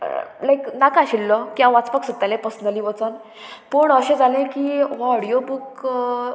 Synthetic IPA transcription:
lajknakaɕilːɔkiãʋat͡spaksut̪ːalẽpəsnəliʋət͡sən | poɳəɕẽd͡zalẽkiɦɔɽijobuk

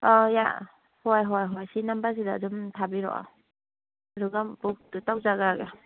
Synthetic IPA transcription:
ɔja̰ | hɔjɦɔjɦɔjsinambas̬idadumtʰabiɾɔ̰ʔa̰ | aduɡambuk̚tutaw̚zaɡaɡe

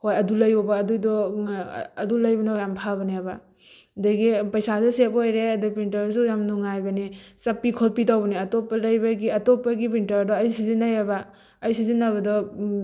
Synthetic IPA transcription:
hojɐdulɐjɔbaːdujdɔ | ɐdulɐjbɐnajampʰabɐniaba̰ | daɡipɐjsazɔsepojɾeɐdupintɐɾsujamnuŋajbɐnit͡ʃɐpːikʰɔlpitawbɐniɐtɔpːɐlɐjbɐɡiɐtɔpːɐɡip̬intɐɾdɔɐjsizinːajabaː | jsizinːaβɐdɔ

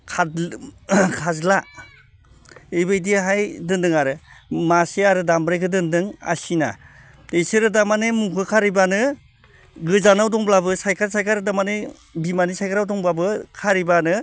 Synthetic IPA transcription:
kʰa | kʰazla | ejbɯjdiɦajdɯndɯŋaɾɯmaseaɾɯdambɾajkʰɯdɯndɯŋa̰sina̰ | esɯɾɯdamanemukʰɯkʰaɾibanɯ | ɡɯzanawdɔŋblabɯsajkʰaɾsajkʰaɾɯdamane | bimanisajkʰaɾawdɔŋbabɯkʰaɾibanɯ

